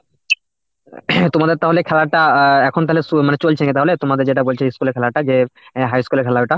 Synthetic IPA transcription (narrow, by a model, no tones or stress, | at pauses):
t̪omad̪eɾt̪aɦolekʰɛlaɾʈaɛkʰont̪aɦolesumanet͡ɕolt͡ɕʰenit̪aɦolet̪omad̪eɾd͡ʑeʈabolt͡ɕʰeiskuleɾkʰɛlaɾʈad͡ʑeɦajskuleɾkʰɛlaeʈa